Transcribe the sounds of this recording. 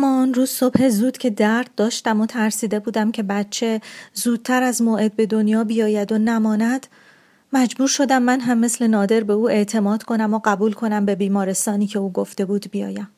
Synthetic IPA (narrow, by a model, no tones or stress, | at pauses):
æmːɒːunruːz̥so̞bhe̞zuːd̪̥cʰe̞d̪æɾd̪̥̚d̪ɒːʃt̪æmot̪ʰæɾsiːd̪e̞buːd̪æmcʰe̞bæt̪t͡ʃʰe̞zuːd̪̥̚t̪ʰæɾæzmoːʔe̞d̪̚be̞d̪o̞njɒːbijɒːjæd̪onæmɒːnæd̪̥ | mæd͡ʒbuːɾʃo̞d̪æmːænɦæmːe̞sle̞nɒːd̪e̞ɾbe̞uːe̞ʔt̪ʰe̞mɒːd̪̥kʰo̞næmoɢæbuːlkʰo̞næmbe̞biːmɒːɾe̞st̪ɒːniːcʰe̞uːɡo̞ft̪e̞buːd̪bijɒ̰ːjæm